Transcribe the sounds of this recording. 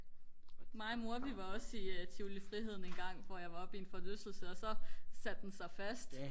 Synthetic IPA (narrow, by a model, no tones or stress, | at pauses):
mɑ̈ɪmo̝ɐʋiʋɑ̈ɒ̽sit͡sʰiʊlifʁiɦe̝ð̞̰ˠn̩enɡ̥ɑ̈ŋ̰ʋɒjɑ̈ɪʋɑ̈ɒ̽b̥ienfɒ̽løsl̩səɒ̽sɒ̽sæd̥̚densɑ̈ɪfæsd̥